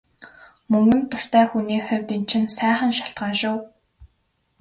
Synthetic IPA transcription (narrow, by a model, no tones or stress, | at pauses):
mɵŋɡɵ̆nt̪ʰːʊr̥t̪æːxuniːxœwʲt̪in̥t͡ɕʰɪ̆nsæːχə̆nʃaɬt̪ɢʁaːʃʊw